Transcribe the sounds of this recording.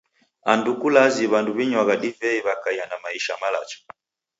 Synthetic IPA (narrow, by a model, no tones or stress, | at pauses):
andukulaziβanduβiɲwaɣaɗivɛiβakaianamaiʃamala̰t͡ʃɔ̥